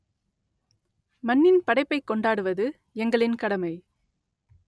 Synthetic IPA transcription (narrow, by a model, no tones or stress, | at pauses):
mɐnːɪnpɐɽɐɪpːɐɪkːɔɳɖaːɽɯʋɐðɯ | ɛŋɡɐɭɪnkɐɽɐmɐɪ